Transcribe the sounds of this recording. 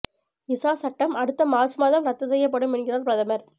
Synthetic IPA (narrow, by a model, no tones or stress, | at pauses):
ɪsaːsɐʈːɐmɐɽɯt̪ːɐmaːsɯmaːðɐmɾɐt̪ːɐsɛjːɐpːɐɽɯmɪnɡɪrɐɾpɪɾɐðɐmɐɾ